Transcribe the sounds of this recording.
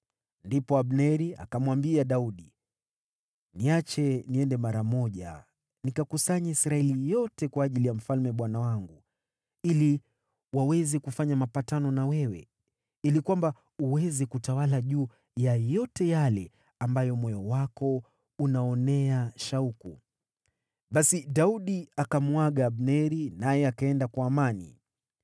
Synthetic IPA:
ndipɔaɓnɛɾia̰kamwambiaɗauɗi | niat͡ʃɛniɛndɛmaɾamɔʄa̰ | nikakusaɲaisɾaɛlijɔtɛkwaːʄilijam̩falmɛɓwanawaŋɡu | ili | wawɛzɛkufaɲamapatanɔnawɛwɛ̰ | ilikwamba | uwɛzɛkutawalaʄuː | jajɔtɛjalɛ | ambajɔmɔjɔwakɔ | unaɔnɛaʃaukṵ | ɓasiɗauɗiakamwaɠaːɓnɛɾinajɛakaɛndakwaːmanḭ

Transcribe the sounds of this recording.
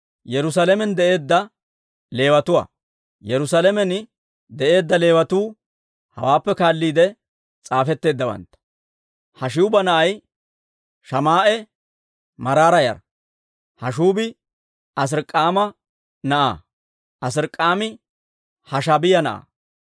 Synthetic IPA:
jɛɾʊs̬alɛmɛnd̪ɛʔe̞ːd̪ːɐ | le̞ːwɐt̪ʊwa̰ː | jɛɾʊsalɛmɛn | d̪ɛʔe̞ːd̪ːɐle̞ːwɐt̪uː | hɐ̰waːpːɛkaːlːiːd̪ɛ | t͡sʼaːfɛt̪ːe̞ːd̪ːɐwɐ̰nt̪ːɐ̥ | hɐʃɪʊbɐnɐʔɐj | ʃɐmaːʔɛ | mɐɾaːɾɐjɐ̰ɾ | hɐʃuːbɪ | ɐs̬ɪɾkʼːaːmɐ | nɐʔa̰ː | ɐs̬ɪɾkʼːaːmɪ | hɐʃɐbɪjɐnɐʔa̰ː

